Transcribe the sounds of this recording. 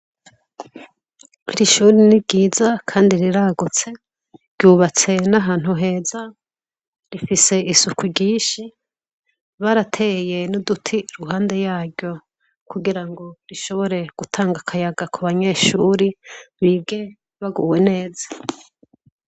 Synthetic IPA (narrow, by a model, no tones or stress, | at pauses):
ɾiʃuːɾiniɟiːzakʰaːndiɾiɾaːɡut͡se̞ | ɾɟuːβat͡se̞naɦaːn̥huɦe̞ːza | ɾifise̞isukwiɟiːʃi | βaɾatʰeje̞nodutʰiɾuɦaːnde̞jaːɾɟjo̞ | kuɡiɾaŋɡo̞ɾiʃo̞βo̞ɾe̞ɡ̥utʰaːŋɡakʰajaɡakʰuβaɲe̞ːʃuɾiβiːbɡe̞ | βaɡuwe̞ne̞ːzḁ